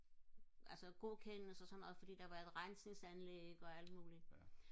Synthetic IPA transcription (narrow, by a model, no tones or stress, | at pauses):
ælsəɡ̥o̝kʰennəsɒ̽sɒ̽nːɒ̽ːð̩ˠfɒ̽d̥ḭːd̥ɑ̈ʋɑ̈e̝ð̥ˠʁɑ̈nse̝ŋsænleɡ̥ɒ̽æl̰d̥muːli